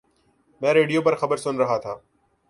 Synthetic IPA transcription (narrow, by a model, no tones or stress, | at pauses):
mɛ̃ːɾeːɖijoːpəɾxəbəɾsʊnɾəɦaːt̪ʰaː